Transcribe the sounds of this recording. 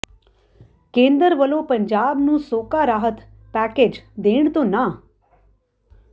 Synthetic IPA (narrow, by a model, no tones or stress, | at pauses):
kẽnd̪əɾʋəlopəɲd͡ʒaːbnũːsoːkaɾaːɦət̪ | pæked͡ʒd̪eɳ̃t̪ona